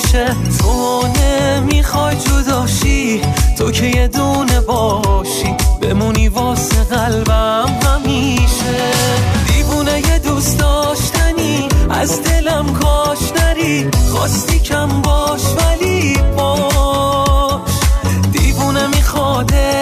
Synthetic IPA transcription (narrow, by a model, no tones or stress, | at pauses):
ʃe | tʰonemiːxɒːjd͡ʒod̪ɒːʃit̪ʰo̞kʰe̞je̞d̪une̞bɒːʃiːb̥e̞̰muniːvɒːseɣælbæmhæmiːʃed̪iːvunejed̪uːsd̪ɒːʃt̪æniæ̰zd̪e̞læmkʰɒːʃnæɾiχɒ̰ːst̪iːcʰæmbɒːʃvælibɒː | ʃd̪iːvunemixɒd̪e